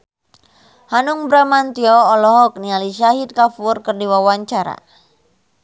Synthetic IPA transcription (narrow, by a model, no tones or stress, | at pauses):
hanuŋbɾamant̪iɔɔlɔɦɔk̚nialiʃaɦit̪̚kafurkərdiwawaɲt͡ʃaɾa̰